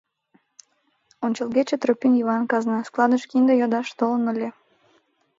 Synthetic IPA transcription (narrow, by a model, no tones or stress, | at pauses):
onʲt͡ɕəlɣet͡ɕet̪ropʲynjiβɑnkɑznɑsklˠɑd̪əʃkind̪ejɑd̪ɑʃt̪olənəlʲe